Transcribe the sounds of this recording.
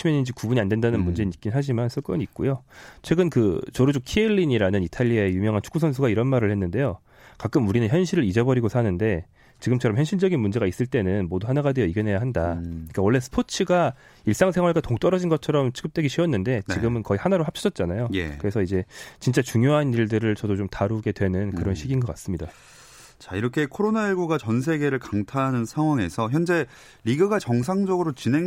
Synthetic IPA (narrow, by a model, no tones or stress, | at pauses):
imenːind͡ʑikubuɲiandwe̞ndanɯnmund͡ʑe̞nik͈innɦaɕ̬ʰimansʰɯɭk͈ɯɲik̚k͈ojot͡ɕʰwe̞ɡɯnkɯt͡ɕʌɾud͡ʑokʰieʎːiɲiɾanɯnitʰaʎːiaejumjʌŋɦant͡ɕʰu̥kusʰʌnsʰuɡaiɾʌnmaɾɯɭhenːɯnde̞jo | kak͈ɯmuɾinɯnçjʌnɕʰiɾɯɾid͡ʑʌbʌɾiɡosʰanɯnde̞ | t͡ɕiɡɯmt͡ɕʰʌɾʌmçjʌnɕʰiɭd͡ʑʌɡinmund͡ʑe̞ɣais͈ɯɭt͈e̞nɯnmoduɦanaɡadwejʌiɡene̞jaɦandaɲik͈awʌɭːe̞sʰɯ̥pʰot͡ɕʰɯɡa | iɭs͈aŋsʰe̞ŋwaɭɡatoŋt͈ʌɾʌd͡ʑinɡʌt̚t͡ɕʰʌɾʌmt͡ɕʰɯɡɯp̚t͈eɡiɕʰiʌnːɯnde̞niɡɯmɯnkʌihanaɾohap̚ɕ͈ʰid͡ʑʌt̚t͡ɕ͈anajojḛkɯɾe̞sʰʌid͡ʑe̞t͡ɕint͡ɕ͈at͡ɕuŋjoɦaniɭdɯɾɯɭt͡ɕʌdot͡ɕomtaɾuɡe̞dwe̞nɯnkɯɾʌnɕʰiɡinɡʌk͈as͈ɯmɲida | t͡ɕaiɾʌkʰe̞kʰoɾonaiɭɡuɡat͡ɕʌns̬ʰe̞ɡe̞ɾɯɭkaŋtʰaɦanɯnsʰaŋwaŋe̞sʰʌçjʌnd͡ʑe̞ | ɾiɡɯɡat͡ɕʌŋs̬ʰaŋd͡ʑʌɡɯɾot͡ɕinɦeŋ